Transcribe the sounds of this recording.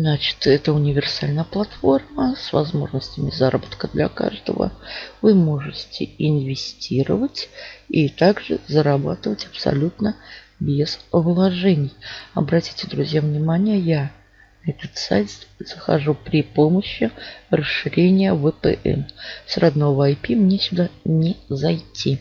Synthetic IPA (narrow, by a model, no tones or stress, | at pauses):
nat͡ɕɪ̥t̪ɛt̪əʊnʲɪvʲɪrsalʲnəjəplˠɐt̪fo̞rməsvɐzmo̞̰ʐnəsʲtʲɪmʲɪzaɾəbət̪kəd̪lʲɐ̰ka̰ʐd̪ə̰və̰vɨmo̞ʐɨtʲɪɪnvʲɪsʲtʲiɾə̰vətʲit̪aɡʐɨ̰zəɾaba̰t̪ɨvətʲɐpsɐ̰lʲut̪nə | bʲezvlˠɐʐɛnʲɪjɐbɾɐtʲi̥tʲɪd̪ɾʊzʲjavnʲɪmanʲɪjəja | nɛt̪ət̪sa̰jt̪z̥əxa̰ʐupɾʲɪpoməɕːɪrəsɨɾʲenʲɪjəvəpə̰ʔɛ̰nsrad̪no̞vəɐjpʲimnʲesʲʊd̪anʲɪzɐjtʲʰːi